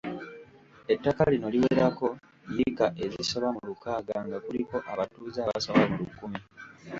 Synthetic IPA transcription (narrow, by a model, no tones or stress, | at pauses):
e̞tːakalino̞liweːɾako̞ | jikaʔe̞ziso̞βamulukaːɡaŋɡakuliko̞ʔaβatuːzaːβa̰soβamulukːumi